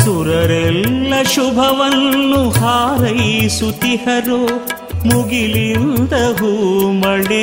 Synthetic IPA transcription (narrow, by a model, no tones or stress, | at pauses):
suɾɐɾɛlːɐʃubʱɐʋɐnːuhaːɾɐjsut̪ihɐɾo | muɡilind̪ɐɦumɐɽe